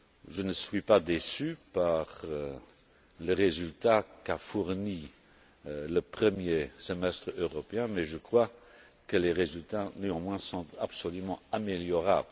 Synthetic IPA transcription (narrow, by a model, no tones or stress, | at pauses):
ʒənəsɥipad̪esypaʁ | ləʁezylt̪akafuʁni | ləpχəmjesəmɛst̪χøʁɔpeɛ̃mɛʒəkχwa | kəleʁezylt̪anøɑ̃mwɛ̃sɔ̃t̪apsɔlymɑ̃ameljɔʁa̰bl